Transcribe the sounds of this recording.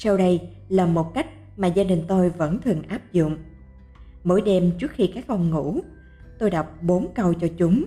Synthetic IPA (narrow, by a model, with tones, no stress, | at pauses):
sa˧wɗə˧j | laː˨˩mo˨˩t̚ka˦˥jk̟̚ | maː˨˩zaː˧ɗï˨˩ŋ̟t̪o˧jvə̰˧˥nt̪ʰɨ˨˩əŋʔaː˦˥p̚zʊ̰˧˨ŋ͡m | mo̰˧˥˦jɗe˧mt͡ɕɨ˦˥ək̚xi˧kaː˦˥k̚ʔɔ˧wŋ͡mŋṵ˧˩˥ | t̪o˧jɗa˨˩wk͡p̚ɓo˨˦nkə˧wt͡ɕɔ˧t͡ɕʊ˨˦ŋ͡m